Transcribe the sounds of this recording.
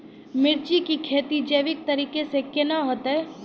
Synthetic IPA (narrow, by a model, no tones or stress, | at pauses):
mɪɾt͡ʃikikʰeːt̪id͡ʒeːʋɪk̚t̪ɐɾiːkesekɪnaɦot̪ɦɛ